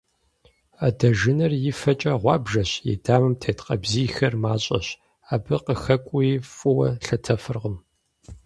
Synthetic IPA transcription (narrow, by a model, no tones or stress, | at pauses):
adɐʒɪnɐrjɪfɐt͡ʃʼɐʁʷɑːbʒɐɕjɛ̰daːmɨmtʰeːtqɐbziːxɐrmaːɕʼɐ̰ɕ | aːbɨqəxɐkʷʼʊjifʼʊwɐ̰ɬɐtʰɐfɨrʁəm